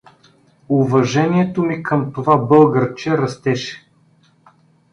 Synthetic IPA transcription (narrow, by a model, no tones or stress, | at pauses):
uvɐʒɛniɛt̪omikʰɤmt̪ovabɤlˠɡəɾt͡ʃɛɾɐst̪ɛʃɛ̥